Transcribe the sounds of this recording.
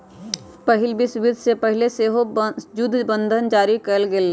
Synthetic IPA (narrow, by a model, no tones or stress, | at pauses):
pɐɦɪlbisʊʋɪd̪ʱsepɐɦɪleseːɦod͡ʒʊd̪ʱbə̃nd̪ʱənd͡ʒaːɾikɐɾlɡel